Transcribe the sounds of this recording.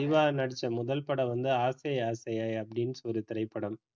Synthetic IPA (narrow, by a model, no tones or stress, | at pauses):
ɪʋaːnɐɽɪt͡ʃːɐmʊðɐlpɐɽɐʋɐnd̪ɯaːsɐjaːsɐjaːɐpːɐɽɪnsɔɾɯt̪ɪɾɐɪpːɐɽɐm